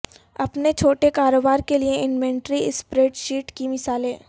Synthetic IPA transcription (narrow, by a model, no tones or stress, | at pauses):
ɐpnet͡ʃʰoːʈekaːɾoːbaːɾkelieɪnmɛ̃ːɳʈɾiɪspɾeːʈʃiːʈkimɪsaːlẽː